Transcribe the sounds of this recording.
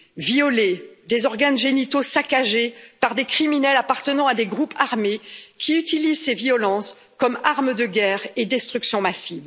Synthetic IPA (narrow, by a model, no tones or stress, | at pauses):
viɔled̪ezɔʁɡanʒenit̪osakaʒepaʁd̪ekχiminɛlapaʁt̪ənɑ̃ad̪eɡʁupʰaʁmekʲʰiyt̪ilizsevijɔlɑ̃s | kɔmaʁməd̪əɡʲɛːʁed̪ɛst̪χyksjɔ̃masiv